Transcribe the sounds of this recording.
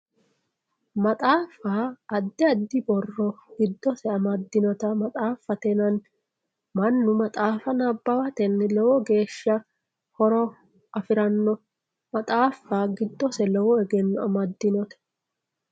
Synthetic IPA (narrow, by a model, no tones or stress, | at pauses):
mɐt̪ʼaːfaːɐd̪ːɪɐd̪ːɪbɔrːɔɡ̥ɪd̪ːɔsɛɐmɐd̪ːɪnɔt̪ɐmɐt̪ʼaːfɐt̪ɛnɐn | mɐnːʊmɐt̪ʼaːfɐnɐbːɐwɐt̪ɛnlɔwɔɡe̞ːʃːɐ | hɔɾɔ | ʔɐfɪɾɐnːɔ | mɐt̪ʼaːfaːɡɪd̪ːɔsɛlɔwɔɛɡɛnːʊɐmɐd̪ːɪnɔt̪ɛ̥